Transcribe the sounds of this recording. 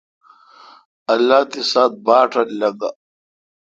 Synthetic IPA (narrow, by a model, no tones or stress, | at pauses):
ɐlːaːt̪isaːt̪̚baːʈʰɐlɐɡa̰